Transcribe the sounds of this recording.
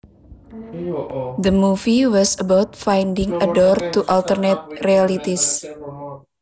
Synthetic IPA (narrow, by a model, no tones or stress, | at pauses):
d̪əmufiwɔsəbawt̪̚fajndiŋədɔrt̪uʔalt̪ərnɛt̪̚rialit̪is